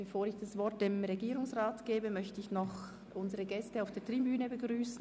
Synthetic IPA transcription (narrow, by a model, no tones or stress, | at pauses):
b̥əfoːɾɪçd̥asv̥ɔɾt̚d̥emʁeɡiːɾʊŋsʁaːtɡ̥eːbəmœçtəɪçnɔχ | ʔʊnzəʁəɡɛstəaʊfd̥eːɐtʁ̥ibyːnəbəɡʁyːsn̩